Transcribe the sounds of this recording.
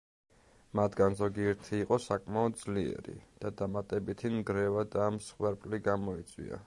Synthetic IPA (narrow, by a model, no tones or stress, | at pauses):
mat̪ʰɡanzɔɡiɛɾt̪ʰiːqʼɔsakʼmaɔd̪̚d̪zliɛ̰ɾḭd̪̥ad̪amat̪ʼɛbit̪ʰinɡɾɛvad̪amsχwɛɾpʼliɡamɔit̪sʼwḭa̰